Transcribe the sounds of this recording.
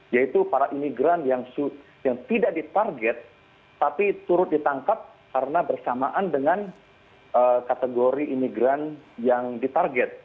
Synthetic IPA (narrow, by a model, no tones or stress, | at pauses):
jait̪upaɾaʔimiɡɾanjaŋsu | jaŋt̪idaʔ̚dit̪arɡɛt̪̚ː | apit̪uɾʊt̪̚dit̪aŋkap̚ | kaɾənabərsamaʔandəŋan | ʔəkat̪əɡoɾiʔimiɡɾanjaŋdit̪arɡɛt̪̚